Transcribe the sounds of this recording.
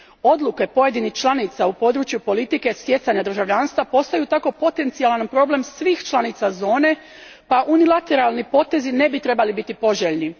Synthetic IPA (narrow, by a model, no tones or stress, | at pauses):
o̞d̪lˠuke̞po̞je̞d̪inixt͡ʃlˠanit̪saupo̞ːd̪ɾuːt͡ʃjupo̞lit̪ike̞st̪je̞t̪saɲad̪ɾ̩ʒaʋʎaːnst̪ʋapo̞st̪ajut̪ako̞po̞t̪e̞nt̪sijalanpɾo̞ble̞msʋiːxt͡ʃlanit̪sazo̞ːne̞ | paʔunilˠat̪e̞ɾalnipo̞t̪e̞zine̞bit̪ɾe̞balibit̪ipo̞ʒeʎni